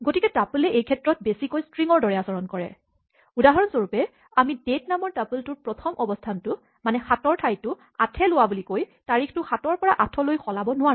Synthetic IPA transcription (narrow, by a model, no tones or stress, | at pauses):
ɡotikɛtapulɛʔejkʰɛtɹɔt̚besikojstɹiŋɔɹdɔɹɛasɔɹɔnkɔɹɛ̰ | udaɦɔɹɔnzoɹupɛ | amidetnamɔɹtapultʊɹpɹɔtʰɔmʔɔbɔstʰantʊ | manɛxatɔɹtʰajtʊ | a̰tʰɛlʊwabulikojtaɹikʰtʊxatɔɹpɔɹaʔatʰɔlojxʰɔlabɔnʊwaɹ